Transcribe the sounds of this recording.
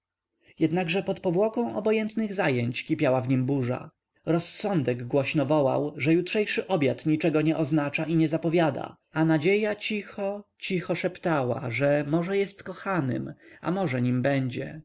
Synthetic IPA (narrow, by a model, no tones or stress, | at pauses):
jɛd̪naɡʐɛpɔt̪pɔvwɔkɔ̃w̃ɔbɔjɛnt̪nɘɣzajɛɲt͡ɕkʲipʲjawavɲimbuʐa̰ | ɾɔsːɔ̃nd̪ɛɡɡwɔɕnɔvɔwa̰wʐɛjutʂɛjʂɘʔɔbʲjat̪ɲit͡ʂɛɡɔɲɛʔɔznat͡ʂaʔiɲɛzapɔvʲjad̪a̰ | anad͡ʑejat͡ɕixɔt͡ɕixɔʂɛpt̪awa̰ʐɛmɔʐɛjɛst̪kɔxanɘ̰ma̰mɔʐɛɲimbɛɲd͡ʑɛ̰